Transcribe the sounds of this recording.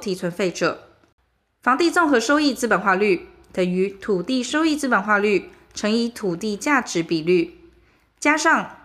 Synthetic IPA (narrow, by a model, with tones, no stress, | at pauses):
t̪ʰi˨˩t͡sʰwə˧˥nfe˥˩ɪʈ͡ʂɤ̰˨˩˦ | fɑ˧˥ŋt̪i˥˧t͡sʊ˥˩ŋxɤ˨˧˦ʂo˥ʊi˥˧t͡sɹ̩˥pə˨nxwa˥˧ly˥˩ | t̪ə˨˩ŋy˨˧˥t̪ʰu˨˩t̪i˥˨ʂo˥ʊi˥˧t͡sɹ̩˥pə˨˩nxwa˥˧ly˥˩ | ʈ͡ʂʰɤ˧˥ŋi˧˥t̪ʰu˨˩t̪i˥˧t͡ɕja˥˩ʈ͡ʂɻ̩˨˦˥pi˨˩ly˥˩ | t͡ɕja˥ʂɑ˥˩ŋ